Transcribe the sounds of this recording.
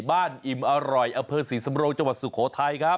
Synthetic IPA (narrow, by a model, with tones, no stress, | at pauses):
baː˥˩nʔi˨˩mʔa˧ɾɔ˨˩jʔa˧mpʰɤː˧siː˩˦˥sa˩˧˦mɾoː˧ŋt͡ɕa˧ŋwa˨˩t̪̚su˨˩kʰːoː˩˦t̪ʰa˧jkʰɾa˦˥p̚